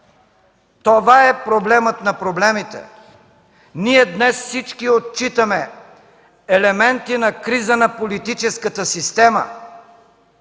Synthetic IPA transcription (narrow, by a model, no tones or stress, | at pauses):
t̪ovaɛpɾoblɛmət̪nɐpɾoblɛmit̪ɛ̰ | niɛd̪nɛsfsit͡ʃkiot̪̚t͡ʃit̪əmɛ | ɛlɛmɛnt̪inɐkɾizənɐpolit̪it͡ʃɛskət̪əsist̪ɛmə̰